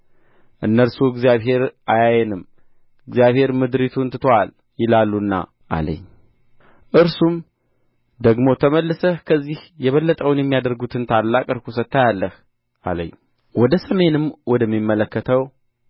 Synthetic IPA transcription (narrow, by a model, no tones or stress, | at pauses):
ʔɨnːəɾsuɨɡzijaβɦe̞ɾʔajajɛnɨm | ɨɡzijaβhe̞ɾmɨd̪ɾit̪ʰunt̪ɨ̥t̪ʰoal | jɪlalːunːa̰ | ʔa̰lə̰ɲː | ʔɨɾsum | d̪əɡmo̞t̪ʰəməlːɨsəkʰəzːihjɛβəlːət̪ʼəwɨnjɛmːijad̪əɾɡut̪ʰɨnt̪ʰalːakʼɨɾkʰusət̪ːajalːəh | ʔa̰lə̰ɲː | wɔd̪əsəme̞nɨmwɔd̪əmːimːələkːət̪ʰəw